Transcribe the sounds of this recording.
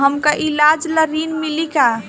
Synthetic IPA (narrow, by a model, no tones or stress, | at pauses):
ɦəmkaʔilad͡ʒləɾinmilika